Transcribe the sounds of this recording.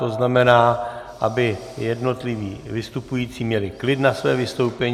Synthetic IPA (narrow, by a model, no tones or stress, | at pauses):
t̪oznamɛnaː | ʔabɪ | jɛdno̞t̪lɪviːvɪst̪upujiːt͡siːmɲɛlɪklɪt̪nasvɛːvɪst̪owpɛɲ